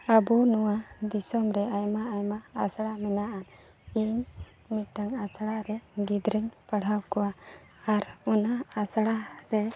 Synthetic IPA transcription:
abunuwad̪isɔmɾɛajmaajmaːsɽamɛnaʔan | iɲ | miʈaŋasɽaɾɛɡid̪ɾəŋpaɽ̤awkɔwa | aɾɔnaasɽaɾɛ

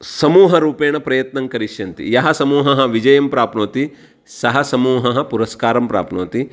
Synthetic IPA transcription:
sɐmuːɦɐɾuːpeːɳɐpɾɐjɐt̪nɐŋkɐɾiʃjɐnt̪ḭjɐɦɐsɐmuːɦɐɦɐ̆ʋid͡ʒɐjɐmpɾaːpnoːt̪i | sɐɦɐsɐmuːɦɐɦɐ̆puɾɐskaːɾɐmpɾa̰ːpnoːt̪i

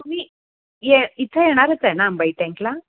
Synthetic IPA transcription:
t̪um̤iː | jeit̪ʰəjeɽ̃aɾət͡sɦenaːmbaiʈɛ̃ŋkla

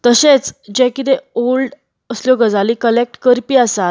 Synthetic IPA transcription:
t̪əɕet͡sd͡ʑɛ̃kit̪eolɖ | əsljɔɡəd͡zalikəlek̚ʈkəɾpiːasat̪

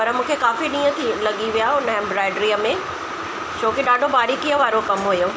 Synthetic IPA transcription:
pɐɾəmũːkʰekaːfiɗĩːə̃t̪ʰilɐɠiʋijaʊnəɦɛ̃mbɾaːɪɖɾiəmẽ | t͡ɕʰoːkiɗãːɳɖʱobaːɾikiəʋaːɾokɐmɦujoː

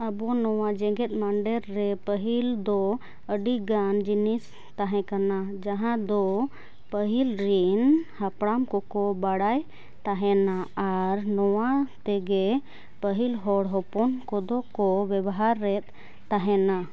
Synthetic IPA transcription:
əbɔnɔwad͡ʒɛɡɛt̪̚ˀmaɳɖɛɾːɛpəɦild̪ɔ | əɖiɡand͡ʒinis | t̪aɦɛ̃kanad͡ʒaɦãd̪ɔ | pəɦilɾinhapɽamkɔkɔbaɽaj | t̪aɦɛnaaɾnɔwat̪ɛɡɛ | pəɦilɦɔɽɦɔpɔnkɔd̪ɔkɔbɛbɦaɾːɛt̪̚ː | aɦɛna

